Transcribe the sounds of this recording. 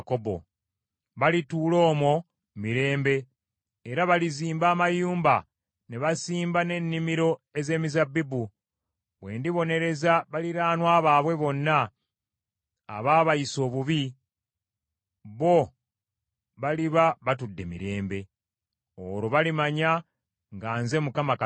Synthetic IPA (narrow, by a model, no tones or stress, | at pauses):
kobo̰ | βalitulo̞ːmo | miɾe̞ːmbe̞ː | ɾaβaliziːmbaːmajuːmba | neβasiːmbane̞nːimiɾo̞e̞ze̞ːmizabːibu | βwe̞̰ːndiβo̞ne̞ɾe̞zaβaliɾaːnwaːβaːβwe̞βo̞nːa | βaːβaiso̞ːβuβi | βo̞ | βaliβaβatudːe̞̰mḭɾe̞ːmbe̞ | o̰ɾoβalimaɲa | ŋɡaːnze̞mukamaka